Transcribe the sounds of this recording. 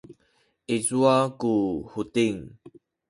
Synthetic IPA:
ʔezuakuhutiŋ

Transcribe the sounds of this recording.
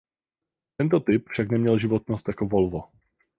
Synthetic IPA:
t̪ɛnt̪o̞t̪ɪpfʃaknɛmɲɛlʒɪvo̞t̪nost̪jakovolvo

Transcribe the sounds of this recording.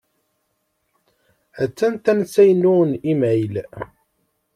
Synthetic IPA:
æt͡sːænt̪ænsæjnːunimʕil

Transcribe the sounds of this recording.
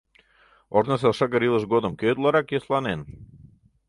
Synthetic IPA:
oɾnəs̬elˠʃɑɡəɾilˠəʃɡod̪ə̆mkøjt̪lˠɑɾɑkjeslˠɑnen

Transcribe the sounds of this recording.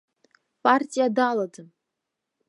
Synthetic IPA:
pʼartʲʼijadalˠadɨ

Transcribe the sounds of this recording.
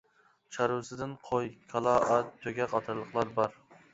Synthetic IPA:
t͡ʃʰaɾusɪd̪ɪnqʰojkʲʰalˠɑʔat̪̚ʰːɵɡʲaqʰɑt̪ʰɪɾlˠɨqlˠaɾbɒɾ

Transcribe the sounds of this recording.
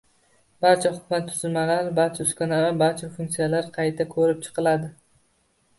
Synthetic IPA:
baɾt͡ʃʰaχʊ̥kmat̪ʰːʊzɪlmalaɾbaɾt͡ʃʰaʊskʲanaɾabaɾt͡ʃʰafʊŋktsijalaɾqʰɑjt̪ʰakʰɵɾɪp̚t͡ʃʰɨ̥qʰɨlˠad̪ɪ

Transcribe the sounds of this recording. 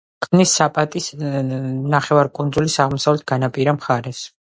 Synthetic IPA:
kʰʼmnisːapʼat̪ʼis | naχɛvaɾkʼund̪zulisaʁmɔsavlɛt̪̚ʰɡanapʼiɾamχaɾɛs

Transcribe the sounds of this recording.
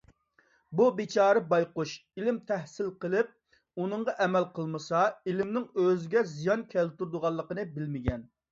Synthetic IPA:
bubɪt͡ʃʰɑːɾɨbɑjquʃilɪmt̪ʰɛhsɪlqəlˠɪp̚ | unɨɴʁɑʔɛmɛlqʰəlˠmɨsɑilɪmnɪŋøzɪɡʲɛzijɑnkʲʰɛlt̪uɾd̪ʊʁɑlˠːəqənɨbɪlmɪɡʲɛn

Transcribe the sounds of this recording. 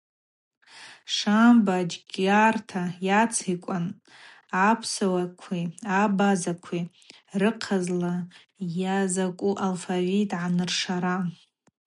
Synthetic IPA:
ʂambad͡ʒɡʲartʰajat͡sʰikʷʼan | apʰsawakʷʰiabazakʷʰi | rɨqʰazla | jazakʷʼuʔalfavitʼʕanɨrʂaɾa

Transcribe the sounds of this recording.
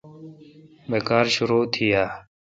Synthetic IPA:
beːkaːɾʃʊɾoːt̪ʰɪjaː

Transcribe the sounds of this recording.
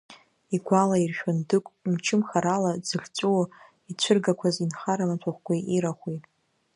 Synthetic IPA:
iɡʷalairʃᶣʊndɨkʷʼmt͡ʃʰɪmχaɾalad͡zɨɮʲt͡sʷʼu | it͡ɕʷʰɨrɡakʷʰazinχaɾamat͡sʷʰaχʷɡʷaʔiɾaχʷi

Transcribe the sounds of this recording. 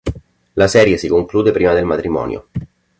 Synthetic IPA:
lasɛːɾjesikoŋkluːd̪epɾiːmad̪elmat̪ɾimɔ̰ːnj̰o̰

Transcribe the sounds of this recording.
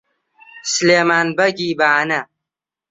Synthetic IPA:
sleːmaːnbɐɡiːbaːnɐ

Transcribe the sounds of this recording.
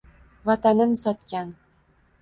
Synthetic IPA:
vɒt̪anɘnsɒt̪kʲan

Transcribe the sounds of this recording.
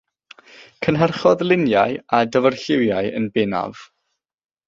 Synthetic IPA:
kʰənɦarχɔðlˠɪnjajadəvərɬɪwjaɨə̰nbɛna̰v̥

